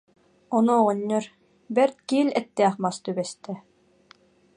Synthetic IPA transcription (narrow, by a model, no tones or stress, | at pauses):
ɔnuɔʁɔnʲːɔɾ | bɛɾt̪̚kiːlɛt̪ːɛːχmast̪ybɛst̪ɛ